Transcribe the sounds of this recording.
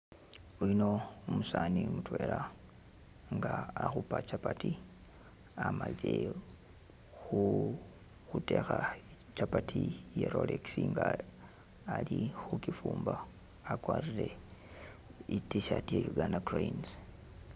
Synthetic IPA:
ulino̞umusaːnimutwe̞ːɾa | ŋɡaːxupat͡ʃapati | amaliɾe̞ | xu | xute̞xa | t͡ʃapatʰijeɾoleksiŋɡaː | lixukifuːmbaː | kwaːriɾe̞ | itiʃatiejuɡanaɡroins

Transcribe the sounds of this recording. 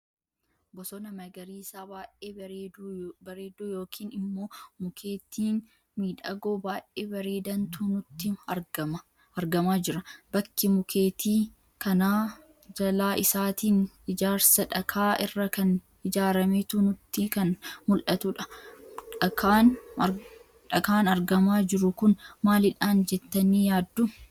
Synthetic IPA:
bɔsɔnɐmɐɡɐɾiːsaːbaːʔʔeː | bɐɾe̞ːd̪oːjo̞ːkʰiːnɪmːo̞ːmʊkʰeːt̪iːn | miːᶑɐ̰ɡo̞ːbaːʔʔeːbɐɾeːd̪ɐnt̪unʊt̪ːɪ | ɐɾɡɐmaːd͡ʒɪɾɐb̥ɐkʰːɪmʊkʰeːt̪iː | kɐnaː | d͡ʒɐlaːʔɪsaːt̪iːn | ɪd͡ʒaːɾsɐᶑɐkʰaːʔɪrːɐkɐn | ɪd͡ʒaːɾɐmet̪uːnʊt̪ːɪkɐnmʊlʔɐt̪ʊᶑɐᶑɐkaːn | ᶑɐkaːnɐɾɡɐmaːd͡ʒɪɾʊkʊnmaːlɪᶑaːnd͡ʒɛt̪ːɐniːjaːd̪ːʊ

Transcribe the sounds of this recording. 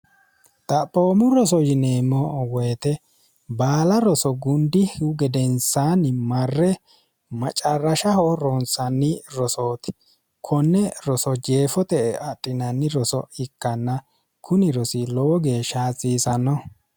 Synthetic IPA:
t̪ʼɐpʼoːmʊɾɔsɔjɪneːmːɔwɛjt̪ɛ | baːlɐɾɔsɔɡʊnd̪ɪhʊɡɛd̪ɛnsanɪmɐrːɛ | mɐt͡ʃʼɐrːɐʃɐhɔɾɔnsɐnːɪɾɔsoːt̪ɪ̥ | kʰɔnːɛɾɔsɔd͡ʒe̞ːfɔt̪ɛɐtʼːɪnɐnːɪɾɔsɔ̰ɪkːɐnːɐ | kʰʊnɪɾɔsɪlɔwɔɡeːʃaːt͡sʼːiːsɐnːɔ

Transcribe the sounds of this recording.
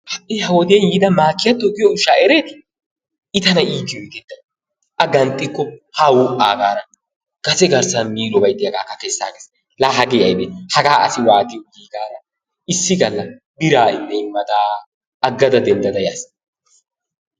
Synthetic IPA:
hɐʔːɪhɐwɔd̪ɪjɐnjiːd̪ɐmaːkːɪjɐt̪ːɔɡɪjɔʊʃːaːɛɾeːt̪ɪ̥ | ɪt̪ɐnɐiːkːɪjɔɪɡɛd̪ɐ | ʔɐɡɐnt̪ʼːɪkːɔhɐwuːʔʼaːɡaːɾɐ | ɡ̥ɐsɛɡɐɾsɐnmiːlɔbɐjd̪ɪjɐɡaːkːɐkɛsːa̰ːɡeːs | laːɦɐɡeːɐjbehɐɡaːʔɐ̰sɪwaːd̪ɪjɔɡiːɡaːɾɐ | ɪsːɪɡɐlːɐ | bɪɾaːɪnːɛɪmːɐd̪aː | ɐɡːɐd̪ɐd̪ɛnd̪ɐd̪ɐjaːs

